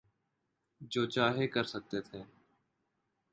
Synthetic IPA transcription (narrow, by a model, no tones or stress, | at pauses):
d͡ʒoːt͡ʃaːɦekəɾsək̚t̪eːt̪ʰeː